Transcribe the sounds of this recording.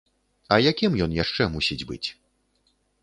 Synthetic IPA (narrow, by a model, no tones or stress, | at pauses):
ɐjakʲimjɔnjaʂt͡ʂɛmusʲid͡zʲbɨ̰t͡sʲ